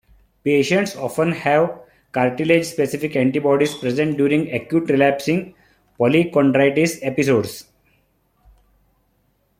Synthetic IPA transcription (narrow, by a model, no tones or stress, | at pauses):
peːʃə̃ɳʈsɔːfə̃nhɛʋ | kaɾʈiled͡ʒspesifikɛ̃ɳʈibɔːɖispɾezẽɳʈ̚ɖjuːɾĩŋɡɛkjuːʈɾilæpsĩŋɡ | pɔlikɔ̃ɳɖɾaɪʈisepisoːɖs